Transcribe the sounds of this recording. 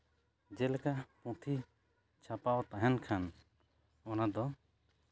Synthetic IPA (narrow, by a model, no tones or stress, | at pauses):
d͡ʒɛlkapɔ̃t̪ʰi | t͡ʃʰapawt̪aɦɛnkʰan | ɔnad̪ɔ